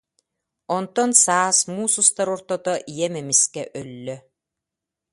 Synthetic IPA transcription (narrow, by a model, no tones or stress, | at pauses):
ɔnt̪ɔnsaːsmuːsust̪aɾɔɾt̪ɔt̪ɔʔijɛmɛmiskɛʔœlːœ